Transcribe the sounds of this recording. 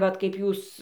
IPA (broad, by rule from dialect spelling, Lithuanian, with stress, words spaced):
ˈʋɐt kɐɪp ˈjuːs